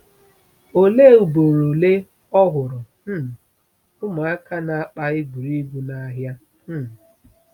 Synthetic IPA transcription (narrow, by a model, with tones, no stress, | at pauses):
o˨le˦˨u˨bo˨ɾo˨le˦ | ɔ˦ɦʊ˨ɾʊ˨˦˨ | ʊ˦mʊ˨a˦ka˦na˨˦k͡pa˦ɪ˦ɡʷu˨ɾi˦ɡʷu˦na˦ɦja˦ | m̩˦